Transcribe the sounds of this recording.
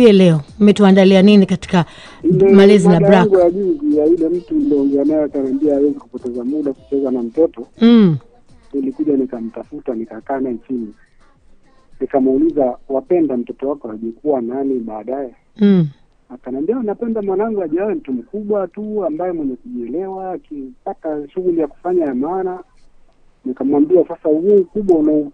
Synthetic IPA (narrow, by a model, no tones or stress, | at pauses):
iɛlɛɔmɛtuandalianinikati̥ka | imɛmalɛzinaɾaŋɡujaʄizijailɛm̩tudɔːŋɡɛanaakanambiɛawɛzikupɔtɛzamuɗaku̥t͡ʃɛzanam̩tɔtɔ | nilikuʄanikam̩tafutanikakaːnait͡ʃini | nikamulizawapɛndam̩tɔtɔwakɔaʄikuwananiɓaːɗajɛ | akanambianapɛndamwanaaŋɡuaʄawɛm̩tum̩kuɓwatuambajɛmwɛɲɛkuʄiɛlɛwaːkipataʃuɣulijaku̥faɲajamaːna | nikamwambiwasasahuːkuɓwaunau